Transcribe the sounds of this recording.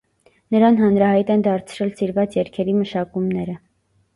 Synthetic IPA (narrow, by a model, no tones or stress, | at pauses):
nəɾɑnɦɑnɾɑhɑjt̪ɛnd̪ɑɾt͡sʰɾɛlsiɾvɑt͡sjɛɾkʰɛɾiməʃɑkumnɛɾə